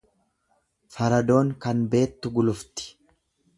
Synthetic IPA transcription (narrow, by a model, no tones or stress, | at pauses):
fɐɾɐd̪o̞ːŋkɐnbe̞ːt̪ːʊɡʊlʊft̪ɪ̥